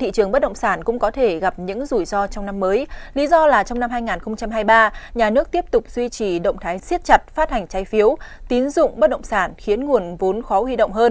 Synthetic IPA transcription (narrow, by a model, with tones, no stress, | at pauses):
t̪ʰḭ˧˨t͡ɕɨ˨˩əŋɓə˦˥t̚ɗə̰˧˨ŋ͡msaː˧˩nkʊ̰˧˥ŋ͡mkɔ˨˦t̪ʰe˧˩ɣa˨˩p̚ɲɨ̰˧˥ŋzu˧˩jzɔ˧t͡ɕɔ˧wŋ͡mna˧mːəː˨˦jli˨˦zɔ˧laː˨˩t͡ɕɔ˧wŋ͡mna˧mɦaː˧jŋaː˨˩nxə˧wŋ͡mt͡ɕa˧mɦaː˧jɓaː˧ɲaː˨˩nɨ˦˥ək̚t̪i˦˥əp̚t̪ʊ˨˩k͡p̚zwi˧t͡ɕi˨˩ɗə̰˧˨wŋ͡mt̪ʰaː˨˦jsi˦˥t̚t͡ɕa˨˩t̚faː˦˥t̚ha˨˩jŋ̟t͡ɕaː˨˦jfi˨˦əwt̪i˨˦ənzʊ̰˧˨ŋ͡mɓə˦˥t̚ɗə̰˧˨ŋ͡msaː˧˩nxi˨˦ənŋu˨˩ənvo˨˦nxɔ˨˦hwi˧ɗə̰˧˨wŋ͡mɦəː˧n